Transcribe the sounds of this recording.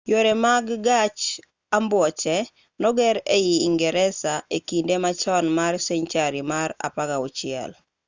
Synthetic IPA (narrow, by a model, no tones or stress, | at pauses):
joɾemaɡɡat͡ʃ | ambwɔt͡ʃɛ | nɔɡɛɾejiːŋɡɛɾɛsaekindemat͡ʃɔnmarsɛɲt͡ʃaɾimaɾa̰paɡaʊt͡ʃɪɛ̰l